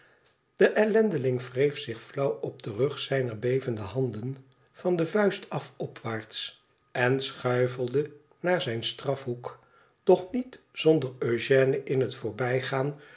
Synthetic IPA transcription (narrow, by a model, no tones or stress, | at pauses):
d̥əʔɛlɛndəlɪŋvrejfsɪχflʌwɔb̚dərɵχsɛjnəɹbejvəndəɦɑndən | v̥ɑndəvœɥstɑfɔpʰʋaːɹts | ɛnsχœɥvəlˠdə | naːɹzɛjnstrɑfɦuk | d̥ɔχnit | z̥ɔndəɹøʒɛːnəʔɪnɦətfʊːɹbɛjχaːn